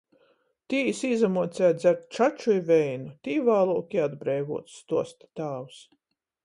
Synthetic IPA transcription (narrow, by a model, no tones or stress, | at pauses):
t̪iːsiːzamuɔt̪sʲæːt̪zʲaɾt̪̚ʲt͡ʃat͡ʃujivɛjnut̪iːvaːlˠuɔkʲiad̪bɾɛjɡṵɔt̪st̪uɔst̪i̥t̪aːwus